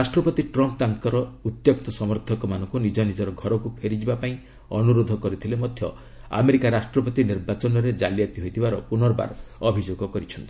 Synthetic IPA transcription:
ɾasʈɾɔpɔt̪iʈɾɔmp̚t̪aŋkɔɾɔut̪jokt̪ɔsɔmɔɾt̪ʰɔkɔmanɔŋkunid͡ʒɔnid͡ʒɔɾɔɡʱɔɾɔkupʰeɾid͡ʒibapaĩ | ɔ̰nuɾod̪ʱɔkɔɾit̪ʰilemɔd̪ʱjɔ̰ | a̰meɾikaɾasʈɾɔpɔt̪iniɾbat͡ʃɔnɔɾed͡ʒalijat̪iɦojt̪ʰibaɾɔpunɔɾɔba̰ɾɔbʱid͡ʒoɡɔkɔɾit͡ʃʰɔnt̪i

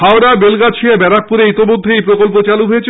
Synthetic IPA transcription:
aoɾabelɡat͡ɕʰiabɛɾak̚puɾeijt̪omod̪ʱːeejpɾokolpot͡ɕaluɦojet͡ɕʰ

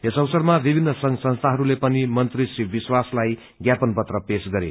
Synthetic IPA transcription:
ɦesʌwsʌrmabibʱinːʌsʌŋsʌ̃nst̪ʰaɦʌɾulepʌnimʌnt̪risibiswaslaj | ɡjapʌnpʌt̪rʌpesɡʌɾḛ

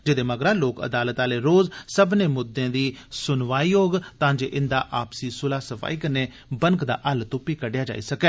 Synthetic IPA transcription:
d͡ʒɪd̪eːməɡɾãːloːkə̰d̪aːlət̪aːleːɾoːzsəbneːmʊd̪ːẽːd̪iːsʊnʋaːiːoːɡt̪ãːd͡ʒḛːʔɪnd̪a̰ːʔaːpsiːsʊlaːsəfʰa̰ːiːkəneː | bəŋkd̪a̰ːʔəlt̪ʊpːiːkəɖejaːd͡ʒa̰ːḭːsəkɛː

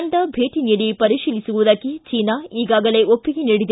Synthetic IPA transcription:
ɳʈɐbʱeːʈiniːɽipɐɾiʃiːlisuʋud̪akːit͡ʃiːnaiːɡaːɡɐle̞ːʔopːiɡeniːɽid̪

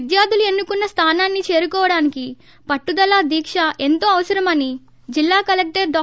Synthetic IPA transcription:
d̪jaːd̪ʱulue̞nːukunːɐst̪ʰaːnaːnːit͡ʃe̞ːɾukɔːʋɐɽaːniki | pɐʈːud̪ɐlaːd̪iːkʂɐʔe̞nt̪o̞ːɐʋɐsɐɾɐmɐni | d͡ʒilːaːkɐlek̚ʈɐɾɖɔː

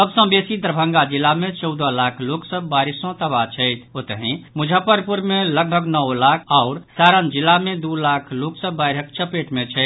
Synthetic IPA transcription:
t̪əbsə̃besid̪ɾəbʱə̃ŋɡad͡ʒilːamẽt͡ʃɔʊd̪əlakʰloksəbaɾisɔ̃t̪əbat͡ʃʰɛɪt̪ʰot̪əɦĩmud͡ʒʱəpəɾpuɾmeləɡ̚bʱəɡnəwlakʰaʊɾsaɾənd͡ʒilːamẽd̪ulakʰloksəbaɪɾək̚t͡ʃəpeʈmet͡ʃʰɛɪt̪

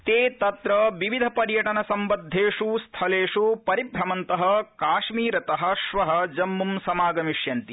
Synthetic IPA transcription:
t̪eːt̪ɐt̪ɾɐʋiʋid̪ʱɐpɐɾjɐʈɐnɐsɐmbɐd̪ʱːeːʂust̪ʰɐleːʂupɐɾibʱɾɐmɐnt̪ɐɦɐkaːʂmiːɾɐt̪ɐɦɐ̆ʃʋɐɦɐ̆d͡ʒɐmːumsɐmaːɡɐmiʂjɐnt̪i

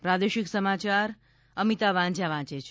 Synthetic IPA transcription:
pɾad̪eʃiksəmat͡ʃaɾ | əmit̪aʋãɲd͡ʒjaʋãt͡ʃet͡ʃʰ

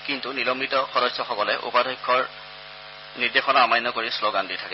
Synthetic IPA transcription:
kintunilɔmbitɔxɔdɔsːɔxɔkɔlɛʔṵpadʱɔjkʰːɔɹ | niɹdexɔnaamajnːɔkoɹisloɡanditʰakɛ

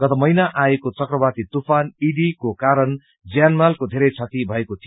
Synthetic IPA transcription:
ɡ̥ʌt̪ʌmʌjnaʔaekot͡sʌkrʌbat̪it̪upʰaniɖikokaɾʌn | d͡zjanmalkod̪ʱeɾʌjt͡sʰʌt̪ibʱʌekot̪ʰijo

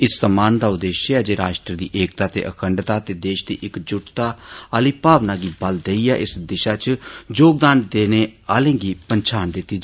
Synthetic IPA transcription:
ɪsːəmaːnd̪aːʊd̪eːʃɛːd͡ʒeːɾaːʃʈɾəd̪ḭːʔeːk̚t̪aːt̪ḛːʔə̰kʰəɳɖt̪aːt̪eːd̪eːʃd̪ḭːʔɪkd͡ʒʊʈt̪aːəːliːpaːʋnaːɡiːbəld̪eiːa̰ːʔɪsd̪ɪʃaːt͡ʃd͡ʒoːɡ̚d̪aːnd̪eːneːaːlẽːɡiːpənt͡ʃʰaːnd̪ɪt̪ːiː

